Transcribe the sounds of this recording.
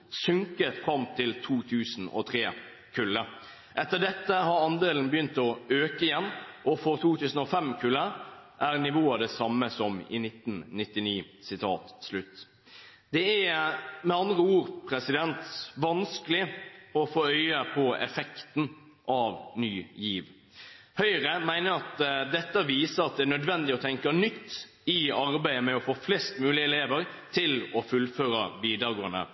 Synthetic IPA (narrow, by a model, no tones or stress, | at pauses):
sʉŋkət̪fɾɑmt̪ʰɪlt̪ʰuːt̪ʰʉːsn̩ɔ̰t̪ʰɾeː | kʰʉlːə | ʔɛt̪ːəɖ̪ɛt̪ːəhɑɾɑnd̪eːln̩bəjʏnt̪ɔøːkəɪjɛnːʔɔfɔʁt̪ʰuːt̪ʰʉːsn̩ɔfɛmkʰʉləʔæʁnɪʋoːəd̪ɛsɑmːəsɔmɪ̰nɪt̪nnɪt̪ːɪniː | sɪt̪ʰɑ̰ːt̪slʉt̪ː | d̪̥ɛæmɛɑnd̪ʁəuːʁpʰɾɛsɪd̪ɛnt̪ʋɑnskəlɪɔfoːœʏəpʰɔɛ̰fɛkt̪n̩ | ʔɑʋnyːjiːʋ | hœʏɾəmæɪnəɾɑt̪d̪ɛt̪ːəʋiːsəɾɑt̪̚d̪ɛænœd̪ʋɛnd̪ɪɔt̪ʰɛŋkənʏt̪ː | ɪɑɾbæɪəmɛɔfoːflɛst̪mʉːlɪəɛleːʋəɾ | t̪ʰɪlɔfʉlføːɾɑʋiːd̪əɾɡoːənə̰